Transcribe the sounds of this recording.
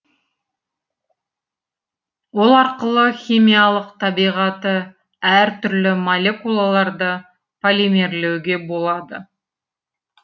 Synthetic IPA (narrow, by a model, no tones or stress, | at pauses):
wo̞lˠɑɾqəlˠəχʲimʲijalˠəqt̪ʰɑbijʁɑt̪ə | æɾt̪ʰʏɾlɪmolʲe̞kulˠalˠɑɾd̪ə | pʰolʲime̞ɾle̞wɡʲe̞bo̞lˠɑd̪ə̰